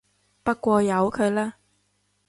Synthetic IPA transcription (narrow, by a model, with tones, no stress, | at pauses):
pɐ˥t̚kʷɔː˧jɐ˨˧wkʰɵ˨˧ɥlaː˥